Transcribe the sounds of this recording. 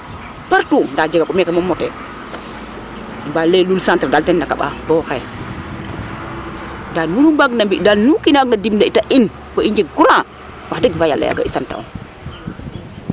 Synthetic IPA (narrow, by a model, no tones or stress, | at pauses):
paɾtunndad͡ʒeɡakumekamomːɔte | balːelulsantɾdaltenːakaɓa̰boxe | danunubaɡnambidanukinaɡnadimdaitaʔin | boiɲd͡ʒeɡuɾa | wadeɡvaja̰lːa̰ja̰ɡa̰isanta̰o̰